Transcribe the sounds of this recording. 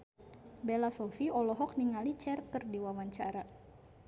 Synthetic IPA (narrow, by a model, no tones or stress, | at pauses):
belasɔfiɔlɔɦɔk̚niŋalit͡ʃɛrt̪ərdiwawaɲt͡ʃaɾa